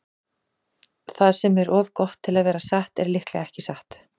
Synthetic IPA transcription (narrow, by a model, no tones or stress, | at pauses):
θaðsɛmɛɾʔɔːvkɔht̪ʰːɪlaðvɛːɾasaht̪ɛɾlɪhklɛɣɛhcɪsaht̪